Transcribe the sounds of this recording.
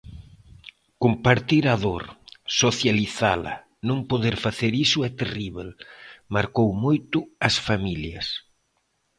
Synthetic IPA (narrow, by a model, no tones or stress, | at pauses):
kompaɾt̪iɾaðoɾsoθjaliθalɐ̰ | nõŋpoðeɾfaθeɾisʊɛt̪eriβelmaɾkowmojt̪ʊɐsfamiljɐs